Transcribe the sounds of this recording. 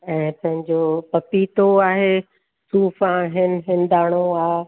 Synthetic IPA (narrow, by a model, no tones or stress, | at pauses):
ɛ̃ːpɐ̃ɦɪ̃ɲd͡ʑoːpɐpiːt̪oaːɦeː | suːfãɦɪnɪ̆ɦɪnɪd̪aːɽ̃oaː